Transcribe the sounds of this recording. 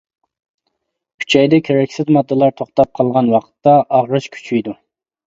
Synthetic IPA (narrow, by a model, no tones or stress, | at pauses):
kʲʰy̥t͡ʃʰɛjd̪ɛkʲʰeɾɛkʲsɪzmɑd̪ːɨlˠɑɾt̪ʰoχt̪ɑp̚qʰɑlˠʁɑnwɑqʰə̥t̪ːɑʔɑʁɾɨʃkʲʰy̥t͡ʃʰyjd̪u